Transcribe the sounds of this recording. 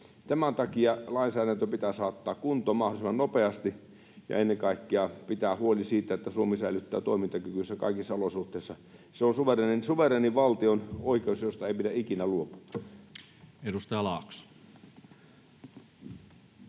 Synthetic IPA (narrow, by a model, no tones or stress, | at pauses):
t̪æmænt̪ɑkiɑlɑinsæːdænt̪øpit̪æsɑːt̪ːɑːkkunt̪ˑoːmɑholisimɑnnopeɑst̪i | jɑ̰enːeŋkɑˑikːeɑpit̪æːhuolisiːt̪æet̪ːæsuomisæilyt̪ːæ̰ːt̪oˑimint̪ɑkykysːækɑ̰ikisːɑolosuht̪ˑeˑisːɑ | seonsuʋerenensuʋereːniʋɑlt̪ionoikeusjost̪ɑeipidæikinæluopu̥ɑ | edust̪ɑjɑlɑːˑksu̥